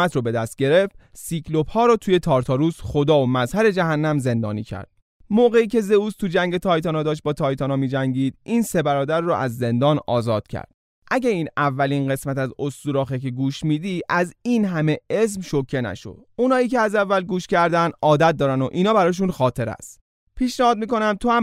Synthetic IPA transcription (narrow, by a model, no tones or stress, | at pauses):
æt̪ɾɔbe̞d̪æst̪̚ɟe̞ɾe̞ft̪sikʰlo̞phɒːɾɒːt̪ʰuːje̞t̪ʰɒːɾt̪ʰɒɾusxo̞d̪ɒːomæzhæɾe̞d͡ʒæɦænːæmze̞nd̪ɒ̰ːnḭːcʰæ̰ɾd̪̥̚ | moɣe̞iːcʰe̞ze̞uːst̪ʰud͡ʒæŋɟet̪ʰɒːjt̪ʰɒːnɒːd̪ɒːʃ̬t̪̚bɒːt̪ʰɒːjt̪ɒːnɒːmiːd͡ʒæŋɟiːd̪iːnse̞bæɾɒːd̪æɾːɔʔæzːe̞nd̪ɒːnɒ̰ːzɒːd̪̥cʰæ̰ɾd̪̥̚ | ʔæɟeiːnævːælinɢe̞smæt̪æzost̪uːɾɒːxekʰeɡuːʃmiːd̪iʔæziːnɦæme̞es̬mʃo̞cʰːe̞næ̰ʃo̰d̪̥unɒːiːkceæzævːælɡuːʃcæɾd̪ænd̪ɒːd̪æt̪̚d̪ɒːɾæno̰ʔiːnɒːbæɾɒːʃ̬unxɒːt̪ʰe̞ɾæ̰st̪ | pʰiːʃnæhɒːd̪̚miːko̞næmt̪ʰohæm